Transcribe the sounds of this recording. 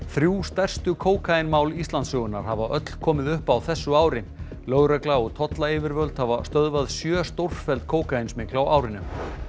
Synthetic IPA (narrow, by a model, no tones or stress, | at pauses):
θɾjuːst̪ɛr̥st̪ʏkʰoːwkʰaɪnmawlist̪lant̪sœːɣʏna̰ɾ̥havaʔœt̪l̥kʰɔːmɪðʏhpawθɛsːʏaːwɾɪ | lœɣɾœklaɔɣt̪ʰɔt̪laɪːvɪɾvœlt̪havast̪œðvaðsjœːst̪or̥ffɛlt̪̚kʰoːwkajnsmɪklawaːwɾɪnʏm